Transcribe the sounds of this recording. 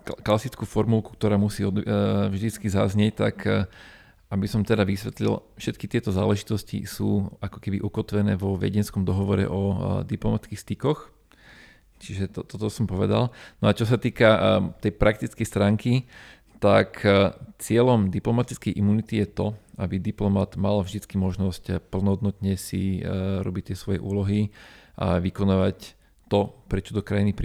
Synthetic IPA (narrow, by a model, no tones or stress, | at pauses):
klasit͡skuːfɔɾmulku̥k̚t̪ɔɾaːmusiːɔvʒd̪it͡skizazɲɪɛc̚t̪a̰k | ʔabisɔmt̪ɛd̪aʋisʋɛt̪lḭlfʃɛt̪kit̪ɪɛt̪ɔzaːlɛʒit̪ɔscḭsuːakɔ̥kɛbiʔukɔt̪ʋɛnɛ̰ːʋɔʋɛ̰ɟɛnskɔmd̪ɔɦɔʋɔɾɛ̰ʔɔd̪iplɔmat̪kixst̪ikɔx | t͡ʃiʒɛt̪ɔt̪ɔt̪ɔsɔmpɔʋɛd̪a̰lnɔat͡ʃɔs̬at̪iːkat̪ɛjpɾʔak̚t̪it͡skɛjst̪ɾaːŋki | t̪akt͡sɪɛʎɔmd̪iplɔmat̪it͡skɛjʔimunit̪ijɛt̪ɔabid̪iplɔmad̪malvʒd̪it͡skimɔʒnɔscpl̩nɔɦɔd̪nɔt̪ɲɛsḭɾɔ̰bict̪ɪɛsʋɔjɛ̰ʔuːlɔɦiʔa̰ʋikɔnaːʋac | t̪ɔpɾɛt͡ʃɔ̥t̪ɔkɾajinipɾ